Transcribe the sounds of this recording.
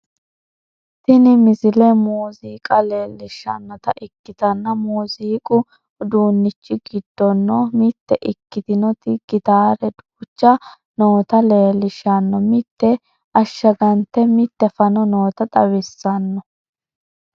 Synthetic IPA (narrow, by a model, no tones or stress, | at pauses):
t̪ɪnɪmɪzɪlɛmuːziːkʼɐleːlːɪʃːɐ̰nːɔt̪ɐʔɪkːɪt̪ɐnːɐmuːziːkʼʊ | d̪uːnːɪt͡ʃːɪɡɪd̪ːɔnːɔmɪt̪ːɛʔɪkːɪt̪ɪnɔt̪ɪɡ̥ɪt̪aːɾɛd̪ʊʊt͡ʃːɐ | noːt̪ɐleːlːɪʃːɐnːɔmɪt̪ːɛ | ɐʃːɐɡɐnt̪ːɛmɪt̪ːɛfɐnɔnoːt̪ɐt̪ʼɐwɪsːɐnːɔ